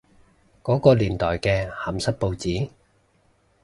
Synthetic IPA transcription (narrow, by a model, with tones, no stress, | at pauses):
kɔː˨˥kɔː˧liː˨˩nt̪ɔː˨˩jkɛː˧hɐ˨˩msɐ˥t̚po˧wt͡siː˨˥